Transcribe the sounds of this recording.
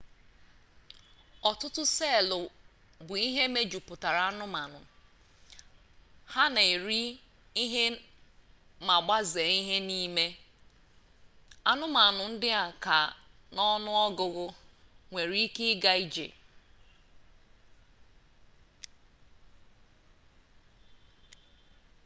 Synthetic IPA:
ɔ˨tʊ˦tʊ˦se˦˨lʊ˨ | bʊ˨i˦ɦe˦me˦d͡ʒu˨pʊ˨ta˨ɾa˨a˦nʊ˦ma˨nʊ˨ | ha˦na˨e˨ɾi˦ | i˦ɦe˦ | ma˨ɡ͡ba˦ze˨i˦ɦe˦ni˦me˦ | a˦nʊ˦ma˨nʊ˨n̩˦dɪ˦a˨ka˨ | nɔ˦nʊ˦ɔ˦ɡʊ˨ɣʊ˦ŋʷe˨ɾi˦kɪ˦ɡa˦i˦d͡ʒḛ˨

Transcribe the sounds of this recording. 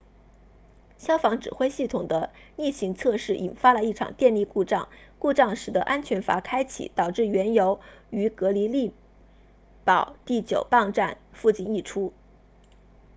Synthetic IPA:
ɕjɑ˥ʊfɑ˧˥ŋʈ͡ʂɻ̩˨˩xwe˥ɪɕi˥˩t̪ʰʊ˨˩ŋd̪ə˦ni˥˩ɕi˧˥ŋt͡sʰɤ˥˧ʂɻ̩˥˩ʔḭ˨˩nfa˥lə˨i˥˩ʈ͡ʂʰɑ̰˨˩ŋt̪jɛ˥˧nli˥˧ku˥˧ʈ͡ʂɑ˥˧ŋku˥˧ʈ͡ʂɑ˥˩ŋʂɻ̩˨˩d̪ə˦ʔa˥nt͡ɕʰɥɛ˧˥nfa̰˧˥kʰa˥ɪt͡ɕʰḭ˨˩t̪ɑ˨˩ʊʈ͡ʂɻ̩˥˩ɥɛ˧˥njo˧˥ʊy˧˥kɤ˧˥li˧˥li˥˩ | pɑ˨˩˦ʊt̪i˥˩t͡ɕjo˨˩ʊpɑ˥˧ŋʈ͡ʂa˥˧nfu˥˧t͡ɕi˥˧ni˥˩ʈ͡ʂʰu˥

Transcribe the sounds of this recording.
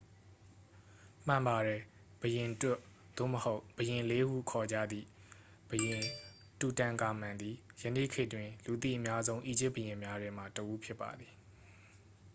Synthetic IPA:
m̥ã˨mba˨ɾɛ˨ | b̥əjɪ̃˨twɛ˦ʔ | d̪̥o̰˦˨məho˦ʊb̥əjɪ̃˨le˦hṵ˦˨kʰɔ˨d͡ʑä̰˦˨d̪ðḭ˦˨ | b̥əjɪ̃˨ | tu˨tã˨ŋka˨m̥ã˨nd̪ði˨jə˨nḭ˦˨kʰɪ˦ʔtwɪ̃˨lu˨t̪̬ḭ˦˨ʔəmja˦zõ˦ʊ̃ʔi˦˨d͡ʑɪ˦ʔbə˨jɪ̃˨mja˦dɛ̃˦m̥a˨təʔu˦pʰjɪ˦pːa̰˨d̪ði˨

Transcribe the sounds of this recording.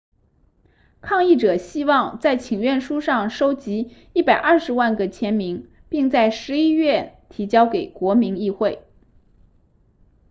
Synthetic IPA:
kʰɑ˥˧ŋi˥˩ʈ͡ʂɤ˨˩ɕi˥wɑ˥˧ŋt͡sa˥˩ɪt͡ɕʰi˨˩ŋɥɛ˥˩nʂu˥ʂɑ˥˩ŋʂo˥ʊt͡ɕi˧˥ | i˥˩pa˨˩ɪʔɐ˞˥˩ʂɻ̩˧˥wa˥˩nɡə˨t͡ɕʰjɛ˧˥nmi˧˥ŋ | pi˥˧ŋt͡sa˥˩ɪʂɻ̩˧˥i˥ɥɛ˥˩t̪ʰi˧˥t͡ɕjɑ˥ʊke˨˩ɪkwɔ˧˥mi˧˥ŋi˥˧xwe˥˩ɪ

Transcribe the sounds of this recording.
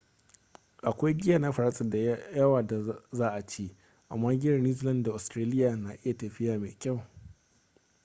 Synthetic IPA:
ʔa˨kʷa˦jɡʲɪ˦ja˨na˦ɸɐ˨ɾa˦sʼɐ˨da˨jɐ˦waː˨da˨zaː˦ʔa˨t͡ʃeː˦ | ʔa̰˨mːaː˦ɡʲɪ˦jɐ˨rni˦zlɐ˦nda˨ʔʊ˨stɾaː˦lɪ˦jaː˨na˨ʔɪ˦ja˨tɐ˨ɸɪ˦jaː˨mḛː˨kʲa˦˨w

